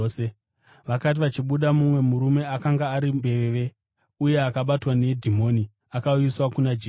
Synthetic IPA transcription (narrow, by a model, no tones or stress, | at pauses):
se | ʋakat̬iʋat͡ʃiɓuɗamumwe̞muɾume̞akaŋɡaːɾimbe̞ʋeʋe̞ | uje̞akaɓatwane̞dʱimo̞ːni | akauiswakunad͡ʒe